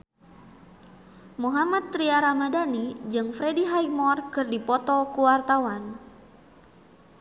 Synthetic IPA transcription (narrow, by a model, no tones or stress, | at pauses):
muɦamat̪ːɾiaɾamadanid͡ʒɨŋfɾediɦajmɔrkɨrdipɔt̪ɔkuwart̪awan